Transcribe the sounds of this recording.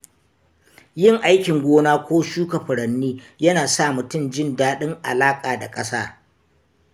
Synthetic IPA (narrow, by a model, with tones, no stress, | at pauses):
jɪ˦˨ŋʔa˦jkʲɪ˨ŋɡʷoː˦naː˦kʷoː˦ʃuː˦kɐ˨ɸʊ˨ɽɐ˨nːiː˦ | jɐ˦naː˨saː˦˨mʊ˨tʊ˦˨md͡ʒɪ˦ndaː˦ɗɪ˦ŋʔa̰˨laː˦kʼaː˨da˨kʼɐ˦saː˦